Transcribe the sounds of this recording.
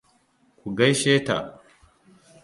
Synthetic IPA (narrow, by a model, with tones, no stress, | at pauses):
ku˨ɡɐ˦jʃeː˦ta̰˨